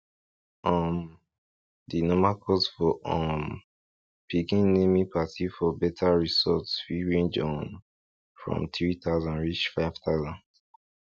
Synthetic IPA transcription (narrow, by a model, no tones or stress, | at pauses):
ɔm | dinɔmakʰɔsfɔʔɔm | pʰikĩnnemipʰatifɔbɛtʰaɹisɔtsfiɹẽnd͡ʒɔ̃n | fɹɔ̰̃mθɹit̪aʊzãnɹit͡ʃfaɪv̥t̪aʊzãnd